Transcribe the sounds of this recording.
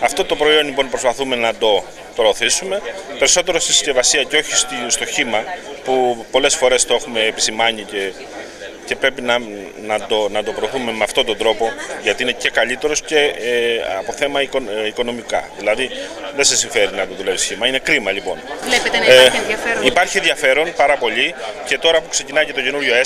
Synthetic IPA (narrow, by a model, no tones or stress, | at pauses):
ɐft̪o̞t̪o̞pɾo̞io̞nlipo̞npɾo̞spɐθume̞nɐd̪o̞ | pɾoːθisume̞pe̞ɾiso̞t̪e̞ɾo̞st̪isce̞vɐsiɐceo̞çi̥sst̪o̞çimɐpupo̞le̞sfo̞ɾe̞st̪o̞e̞xume̞ːpisimɐɲice̞ | ce̞pɾe̞pinɐ | nɐd̪onɐt̪o̞pɾo̞ːθume̞meɐft̪o̞t̪o̞nd̪ɾo̞po̞ʝɐt̪iine̞ce̞kɐʎit̪e̞ɾo̞sce̞ | ɐ̰po̞θe̞mɐikoiko̞no̞mikɐ̰ðilɐðiðe̞sesiɱfe̞ɾinɐt̪oðulevisçimɐine̞kɾimɐʎipo̞̰nle | ɐipɐɾçienðʝɐfe̞ɾo̞npɐɾɐpo̞ʎice̞t̪o̞ɾɐpukse̞cinɐjce̞t̪o̞ce̞nuɾʝo̞e